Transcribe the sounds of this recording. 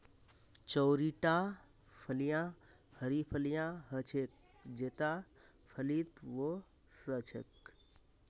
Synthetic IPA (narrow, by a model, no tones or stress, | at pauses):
t͡ʃəwɾiʈa | pʰəlijã | həɾipʰəlijãɦət͡ʃʰek̚ | d͡ʒet̪a | pʰəlit̪ʋo | sət͡ʃʰḛk